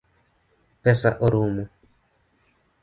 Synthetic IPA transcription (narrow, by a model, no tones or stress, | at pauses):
pɛsa̰ʔoɾumu